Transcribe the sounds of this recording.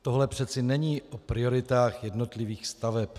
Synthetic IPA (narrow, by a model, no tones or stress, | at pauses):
t̪oɦlɛpr̥ɛt͡sɪnɛɲiːʔʔopɾɪo̞ɾɪt̪aːxjɛdno̞t̪lɪviːxst̪avɛp